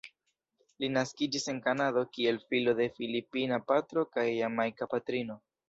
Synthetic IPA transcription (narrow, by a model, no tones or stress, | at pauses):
linaskid͡ʒise̞nkanado̞kie̞lfilo̞de̞filipinapatɾo̞kajamajkapatɾino̞